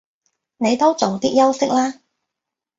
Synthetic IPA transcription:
ne˨˧jt̪o˥wt͡so˨wt̪iː˥k̚jɐ˥wsɪ˥k̚laː˥

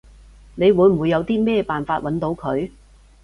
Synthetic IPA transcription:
ne˨˧jwuː˨˥jm̩˨wuː˨˧jːɐ˨˧wt̪iː˥mɛː˥paː˨nfaː˧t̚wʔɐ˨˥nt̪o˨˧wkʰɵ˨˧ɥ

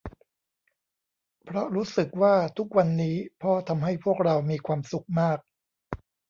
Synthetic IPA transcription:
pʰɾɔ˦˥ɾuː˦˥sɯ˨˩k̚waː˥˩t̪ʰu˦˥k̚wa˧nːiː˦˥pʰɔː˦˥t̪ʰa˧mɦa˥˩jpʰu˥˩ək̚ɾa˧wmiː˧kʰwaː˧msu˨˩k̚maː˥˩k̚

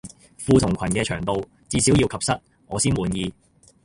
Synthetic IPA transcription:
fuː˧t̪ʰʊ˨˩ŋkʰɐ˨˩nkɛː˧t͡ʃʰœː˨˩ŋt̪o˧w | t͡siː˧si˨˥wji˧wkʰɐ˨p̚sɐ˥t̚ | ŋɔː˨˧siː˥nwuː˨˧njiː˧

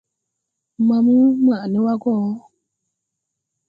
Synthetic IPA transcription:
mã˨mu˦m˦a˨nẽ˦wa˦ɡɔ˦˨˦

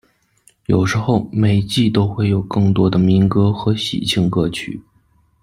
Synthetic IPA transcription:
jo˨˩ʊʂɻ̩˧˥xo˥˩ʊme˨˩ɪt͡ɕi˥˩t̪o˥ʊxwe˥˩ɪjo˨˩ʊkɤ˥˩ŋt̪wɔ˥d̪ə˨mi˧˥nkɤ˥xɤ˧˥ɕḭ˨˩t͡ɕʰi˥˧ŋkɤ˥t͡ɕʰy̰˨˩˦

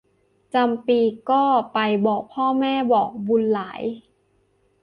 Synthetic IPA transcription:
t͡ɕa˧mpiː˧kɔː˥˩pa˧jbɔː˨˩k̚pʰɔː˥˩mɛː˥˩bɔː˨˩k̚bu˧nlaː˩˦j

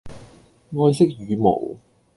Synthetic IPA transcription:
ŋɔː˥jsɪ˥k̚jyː˨˧mo̰˨˩w

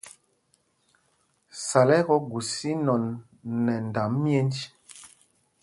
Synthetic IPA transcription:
sa˨lɛ˦ɣɔ˦ɡu˨si˦nɔ˨nː | ɛ˨n˨da˨mːje˦nd͡ʒ

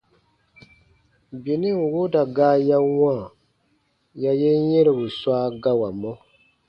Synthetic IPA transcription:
bi˨ni˦ŋ̩˨wo˦da˨ɡaː˦ja˦wãː˦˨ | ja˦jɛ˦ɲɛ˦ɾɛ˨bu˨swaː˦ɡa˦wa˨mɔ˦

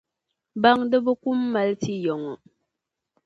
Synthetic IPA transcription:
ba˦˨ŋdə˦bə˦ku˦mːa˨lti˦jɔ˨ŋɔ˨

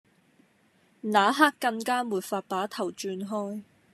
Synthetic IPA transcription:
naː˨˥ɦaː˥kːɐ˧ŋkaː˥muː˨t̚faː˧t̚paː˨˥t̪ʰɐ˨˩wt͡ʃyː˧nɦɔː˥j

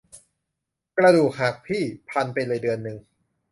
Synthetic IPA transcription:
kɾa˧duː˨˩k̚ɦaː˨˩k̚pʰiː˥˩pʰa˧npa˧jlɤː˧jdɯ˧ənːɯ˨˩ŋ

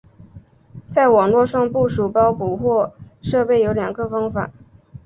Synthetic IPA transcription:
t͡sa˥˩ɪwɑ˨˩ŋlwɔ˥˧ʂɑ˥˧ŋpu˥˩ʂu˨˩pɑ˥ʊku˨˩xwɔ˥˧ʂɤ˥˧pe˥˩ɪjo˧˥ʊljɑ˨˩ŋɡə˧fɑ˥ŋfa̰˨˩˦

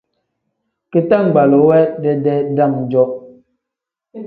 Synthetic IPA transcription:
ke˨ta˦˨ŋ˨ɡ͡ba˨lɔ˨˦wɛ˦dɛ˦dɛ˦da˦˨ŋ˨d͡ʒɔ˦

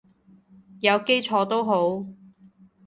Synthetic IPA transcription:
jɐ˨˧wke˥jt͡ʃʰɔː˨˧t̪o˥wɦo˨˥w

